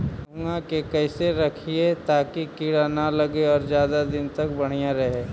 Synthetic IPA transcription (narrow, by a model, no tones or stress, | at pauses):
bʊ̃ŋɡãkekɛɪseɾɐkʰiet̪aːkikiːɽanalɐɡeɔːɾzjaːd̪ad̪ɪnt̪ɐkbɐɽ̤ijaɾɐɦeː